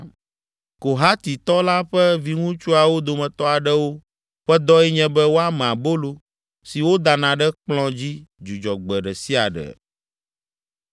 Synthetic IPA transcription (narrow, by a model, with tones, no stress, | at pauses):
ko˨ɦa˦t̪i˨t̪ɔ˦la˦ɸɛ˦vi˦ŋũ˦t͡ʃu˦a˨wo˦d̪o˨mɛ̃˨t̪ɔ˦a˨ɖɛ˦wo˦ | ɸɛ˦d̪ɔ˦ɛ˦ɲɛ̃˦bɛ˦wo˦a˦mɛ̃˨a˨bo˦lo˨ | si˨wo˦d̪a˨nã˨ɖɛ˦k͡plɔ̃˦d͡ʑi˦d͡ʒu˨d͡ʒɔ˨ɡ͡bɛ˨ɖɛ˨si˦a̰˨ɖɛ̰˨